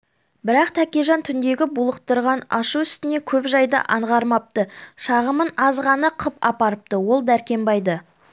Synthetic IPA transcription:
bɪɾɑqt̪ʰækʲeʒɑnt̪ʰʏnd̪e̞ɡʲɪbulˠəq̚t̪əɾʁɑnɑʃuʏst̪ɪne̞kʲʰɵpʒɑjd̪ə̰ʔɑɴʁɑɾmɑp̚t̪əʃɑʁəmənɑzʁɑnɑqʰəpɑ̰pɑɾəp̚t̪əwo̞lˠd̪æɾkʲe̞mbɑjd̪ə

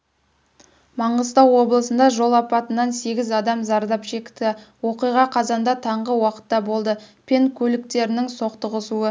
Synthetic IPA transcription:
mɑɴəzt̪ɑwwo̞blˠəsənd̪ɑʒo̞lˠɑpɑt̪ənːɑnse̞ɡʲɪzɑd̪ɑmzɑɾd̪ɑpʃe̞kʲt̪ɪwo̞qijʁɑqʰɑzɑnd̪ɑt̪ʰɑɴʁəwɑqə̥t̪ːɑbo̞lˠd̪əpʲʰe̞nkʲʰɵlɪk̚t̪e̞ɾɪnɪŋso̞qt̪əʁəsuə

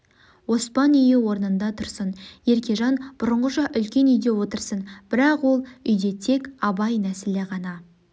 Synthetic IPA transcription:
wo̞spɑnʏjuwo̞ɾnənd̪ɑt̪ʰʊɾsənje̞ɾkʲe̞ʒɑnb̥ʊɾəɴʁəʃɑʔʏlkʲe̞nʏjd̪e̞wo̞t̪əɾsənb̥ɪɾɑqwo̞lˠʏjd̪e̞t̪ʰe̞kʲɑbɑjnæseleʁɑnɑ

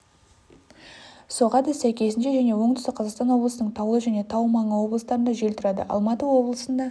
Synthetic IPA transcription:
soʁɑd̪ɪsæjkʲe̞s̬ɪnʃeʒæne̞wo̞ɴt̪ʏst̪ɪqʰɑzɑqst̪ɑnwo̞blˠəsənəɴt̪ʰɑwəlˠəʒæne̞t̪ʰɑwmɑɴəwo̞bləst̪ɑɾənd̪ɑʒe̞lt̪ʰʊɾɑd̪ə̰ʔɑ̰lˠmɑt̪əwo̞blˠəsənd̪ɑ

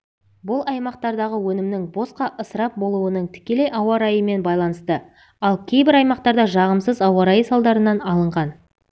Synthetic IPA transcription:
bʊlˠɑjmɑqt̪ɑɾd̪ɑʁəwɵnɪmnɪŋbo̞sqɑʔəsəɾɑp̚bo̞lˠuənəɴt̪ʰɪ̥kʲe̞le̞jʔɑwɑɾɑjəme̞nbɑjlˠɑnəst̪ə | ɑlˠkʲʰe̞jbɪɾɑjmɑqt̪ɑɾd̪ɑʒɑʁəmsəzɑwɑɾɑjəsɑlˠd̪ɑɾənɑnɑlˠəɴʁɑn

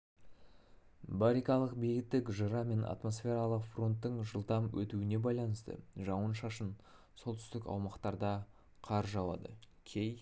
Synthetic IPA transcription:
bɑɾikɑlˠəqbejɡʲɪt̪ːɪkʒəɾɑme̞nʔɑ̰t̪mo̞sfʲe̞ɾɑlˠəqfro̞nt̪ːəɴʒəlˠt̪ɑmwɵ̰t̪uɪne̞bɑjlˠɑnəst̪ə̰ʒɑwənʃɑʃən | so̞lˠt̪ʏ̥st̪ɪkɑ̰wmɑqt̪ɑɾd̪ɑ | qʰɑɾʒɑwɑ̰d̪ə̰ | kʲʰej

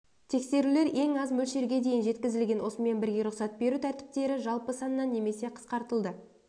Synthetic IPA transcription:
t̪ʰe̞kse̞ɾule̞ɾe̞ŋɑzmɵlʃe̞ɾɡʲe̞d̪e̞jɪnʒe̞t̪kʲɪzɪlɡʲe̞nwo̞səme̞nbɪɾɡʲe̞ɾʊqsɑt̪̚be̞ɾut̪ʰæɾt̪ɪ̥p̚t̪e̞ɾɪʒɑlˠpəsɑnəːɑnːe̞me̞se̞qʰə̥sqɑɾt̪əlˠd̪ə

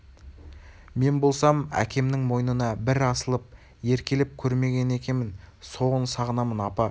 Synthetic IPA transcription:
me̞nbo̞lˠsɑmæ̰kʲʰe̞mnɪŋmo̞jnənɑbɪɾɑsəlˠəp̚ | je̞ɾkʲe̞lɪp̚kʲʰɵɾme̞ɡʲe̞ne̞kʲe̞nmɪnso̞ʁənsɑʁənɑmənɑpɑ

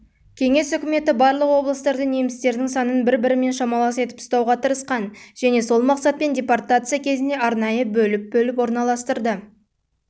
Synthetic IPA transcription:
kʲʰe̞ŋe̞sʏkʲɪme̞t̪ɪbɑɾlˠəqwo̞blˠəst̪ɑɾd̪əne̞mɪst̪e̞ɾd̪ɪŋsɑnənbɪɾbɪɾɪme̞nʃɑmɑlˠɑse̞t̪ɪpst̪ɑwʁɑt̪ʰəɾəsqɑnʒ̥æne̞so̞lˠmɑqsɑt̪̚pe̞ndʲe̞part̪at̪sɨjakʲʰe̞zɪnd̪e̞ɑɾnɑjəbɵlɪp̚bɵlɪp̬wo̞ɾnɑlˠɑst̪əɾd̪ə

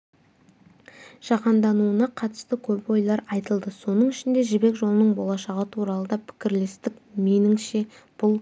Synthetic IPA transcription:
ʒ̥ɑqɑnd̪ɑnuənɑqʰɑt̪ə̥st̪əkʲʰɵpo̞jlˠɑɾɑjt̪əlˠd̪əso̞nəɴɪʃɪnd̪e̞ʒɪbe̞kʒo̞lˠənəɴbo̞lˠɑʃɑʁət̪ʰuɾɑlˠəd̪ɑpʰɪ̥kʲɪɾle̞st̪ɪkmenɪŋʃe̞ | b̥ʊlˠ

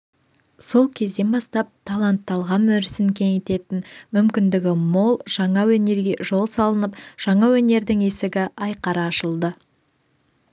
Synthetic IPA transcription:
so̞lˠkʲʰe̞zd̪e̞nbɑst̪ɑp̚t̪ʰɑlˠɑnt̪ːɑlˠʁɑnːɵɾɪsɪŋkʲʰe̞ŋet̪e̞t̪ɪnmʏmkʲɪnd̪ɪɡʲɪmo̞lˠʒ̥ɑɴɑwɵne̞ɾɡʲe̞ʒo̞lˠsɑlˠənəpʒ̥ɑɴɑwɵne̞ɾd̪ɪŋe̞sɪɡʲɪʔɑjqɑɾɑːʃəlˠd̪ə

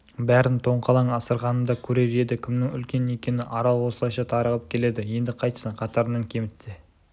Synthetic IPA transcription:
bæɾɪnt̪ʰo̞ɴqʰɑlˠɑɴɑsəɾʁɑnəmd̪ɑkʲʰɵɾe̞ɾe̞d̪ɪkʲʰɪmnɪŋʏ̰lkʲe̞ne̞kʲe̞nɪʔɑɾɑlˠwo̞səlˠɑjʃɑt̪ʰɑɾəʁəp̚kʲʰe̞le̞d̪ɪje̞nd̪ɪqʰɑjt̪ə̥sɑqʰɑt̪ɑɾənɑɴkʲʰe̞mɪt̪se̞

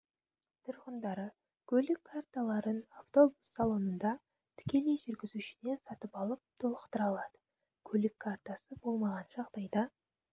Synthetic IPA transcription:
t̪ʰʊɾʁənd̪ɑɾə | kʲʰɵlɪkʰːart̪alˠɑɾənaft̪o̞busːɑlˠo̞nənd̪ɑ | t̪ʰɪ̥kʲe̞le̞jʒʏɾɡʲɪzuʃɪne̞nsɑt̪əpɑlˠəp̚t̪ʰolˠəqt̪əɾɑlˠɑd̪̥ə | kʲʰɵlɪkʰːart̪asəbo̞lˠmɑʁɑnʒɑʁd̪ɑjd̪ɑ

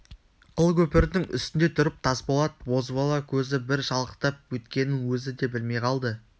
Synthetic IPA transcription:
qʰəlˠkʲʰɵpɪɾd̪ɪŋʏ̰st̪ɪnd̪e̞t̪ʰʊɾɪp̚t̪ʰɑsbolˠɑt̪bo̞zbɑlˠɑkʲʰɵzɪbɪɾʃɑlˠəqt̪ɑp̚wɵt̪kʲe̞nɪŋwɵzɪd̪e̞bɪlme̞jqʰɑlˠd̪ə

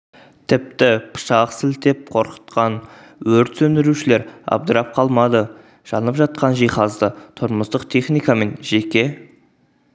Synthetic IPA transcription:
t̪ʰɪp̚t̪ɪpʰə̥ʃɑqsɪlt̪e̞p̚qʰo̞ɾqə̥t̪qɑn | wɵɾt̪sɵnd̪ɪɾuʃɪle̞ɾɑ̰b̚d̪əɾɑp̚qʰɑlˠmɑd̪ə | ʒ̥ɑnəpʒɑt̪̚qɑnʒijχɑzd̪ət̪ʰʊɾməst̪əqt̪ʰe̞χnijkɑme̞nʒe̞kʲe̞

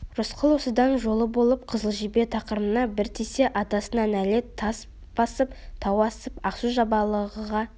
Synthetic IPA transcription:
rʊsqʰəlˠwosəd̪ɑnʒo̞lˠəbo̞lˠəp̚qʰəzəlˠʒibe̞t̪ʰɑqəɾmənɑbɪɾt̪ʰese̞ʔɑt̪ɑsənɑnæle̞t̪ʰːɑs | b̥ɑsəp̚t̪ʰɑwɑsəpɑqsuʒɑbɑlˠəʁəʁɑ

